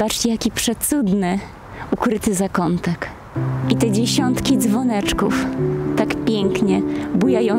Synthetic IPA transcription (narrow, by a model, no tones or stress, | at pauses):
bat͡ʂt͡ɕɛjakʲipʂɛsud̪nɘ | ukɾɘt̪ɘzakɔnt̪ak | it̪ɛd͡ʑɛɕɔnt̪kʲid̪zvɔnɛt͡ʂkuft̪akpʲjɛŋkɲɛbujajɔ̃